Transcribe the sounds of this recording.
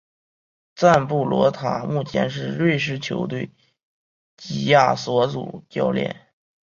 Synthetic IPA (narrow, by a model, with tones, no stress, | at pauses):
t͡sa˥˧npu˥˩lwɔ̰˧˥t̪ʰa̰˨˩mu˥˩t͡ɕʰjɛ̰˧˥nʂ̬ɻ̩˥˧ɻwe˥˧ɪʂ̬ɻ̩˥˩t͡ɕʰjo˧˥ʊt̪we˥˩ɪ | t͡ɕi˨˩ja˥˩swɔ˧˥t͡sṵ˨˩t͡ɕjɑ˥ʊljɛ̰˥˩n